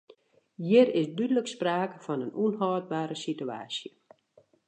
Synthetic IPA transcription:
jiəɾɪsdydələkspraːkəfɔnənunɦɔːd̚baːɾəsitya̰ːsjə

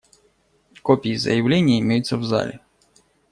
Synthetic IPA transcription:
kɔpʲijizɐ̰jɐwlʲɛnʲːɐimʲɛjʊt͡sʲt͡sʲːɐwza̰lʲɪ

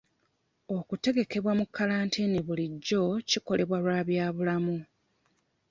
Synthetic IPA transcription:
o̞kute̞ɡe̞ke̞βwamukʰːalaːntʰineβuliɟːo̞ciko̞le̞βwalwaːβjaːβulamu

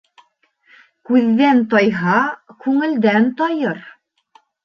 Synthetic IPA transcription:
kʉðːænt̪ɑjɦɑkʉŋɘ̆ld̪ænt̪ɒjɤɾ

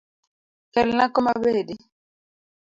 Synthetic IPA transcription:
kɛlnakɔmabedi

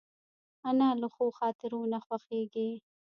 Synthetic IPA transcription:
analəxoːxɑːt̪ɪɾonaxwaxeːɡi

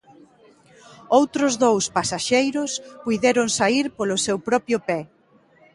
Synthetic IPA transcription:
owt̪ɾʊzðowspasaʃejɾʊspujðɛɾʊŋsaiɾpolʊsewpɾɔpjʊpɛ

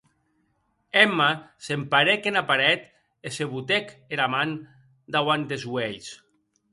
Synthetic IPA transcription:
ɛmasempaɾekenapaɾɛt̪ | eseβut̪ekeɾaman | d̪awand̪ezwejs

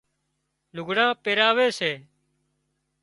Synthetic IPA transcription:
lʊɡʱɽãːpeːɾaːʋeːseː

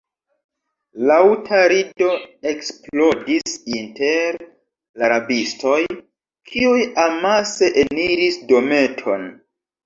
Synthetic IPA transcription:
lawtʰaɾido̞e̞ksplo̞disinte̞ɾ | laɾabisto̞j | kʰiujamase̞ʔeniɾisdo̞me̞tʰo̞̰n

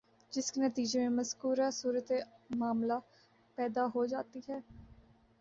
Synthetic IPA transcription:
d͡ʒɪskenət̪iːd͡ʒemẽːməzkuːɾaːsuːɾət̪emaːmlaː | pɛːd̪aːɦoːd͡ʒaːt̪iːɦɛː

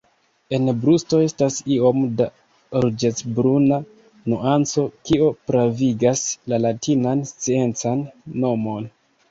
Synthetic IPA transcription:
e̞nbɾusto̞e̞stasio̞mda | ɾud͡ʒet͡sbɾuna | nuʔant͡so̞kio̞pɾaviɡaslalatʰinanst͡sie̞nt͡sanːo̞mo̞n

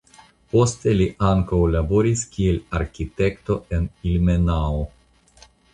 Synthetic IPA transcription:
po̞st̪e̞liʔaŋkawlabo̞ɾiskielaɾkʲit̪e̞kt̪o̞e̞nilme̞nao

